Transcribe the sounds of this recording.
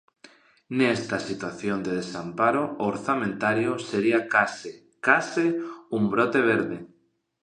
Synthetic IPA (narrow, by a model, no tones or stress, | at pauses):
nest̪asit̪waθjond̪eð̞esampaɾooɾθamẽnt̪aɾjoseɾiakase | kasɪumbɾot̪eβ̞eɾðe